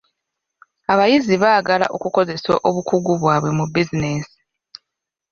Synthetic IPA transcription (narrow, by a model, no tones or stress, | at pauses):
aβajiziβaːɡala̰ʔo̞kuko̞ze̞so̰ʔoβukuɡuβwaːβwe̞mubizineːsi̥